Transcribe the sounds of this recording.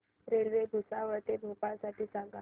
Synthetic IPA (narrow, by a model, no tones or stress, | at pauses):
ɾelʋebʱusaʋəɾt̪ebʱopãsaʈiːsãŋɡa